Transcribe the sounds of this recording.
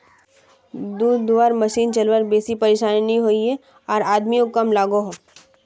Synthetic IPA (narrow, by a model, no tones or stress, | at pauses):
d̪uːd̪d̪uʋaːɾmɐʃiːnt͡ʃɐlʋəɾbeːsipɐɾeːʃaːnːniɦoːie | ɔːɾaːd̪mijõkɐmlaːɡoɦoː